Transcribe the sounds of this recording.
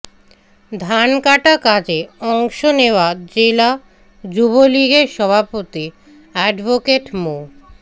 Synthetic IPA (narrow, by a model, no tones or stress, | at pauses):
d̪ʱankaʈakad͡ʑeɔŋʃoneoad͡ʑela | d͡ʑuβoliɡeɾʃɔbʱapot̪i | ɛɖbokeʈmo